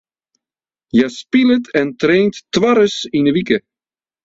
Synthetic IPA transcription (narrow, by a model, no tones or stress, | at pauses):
jaspilətʰɛntreːntːʋaɾəsinəʋikə